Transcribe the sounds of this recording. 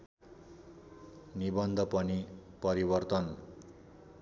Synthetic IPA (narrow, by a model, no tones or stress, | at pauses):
nibʌnd̪ʱʌpʌnipʌɾibʌrt̪ʌn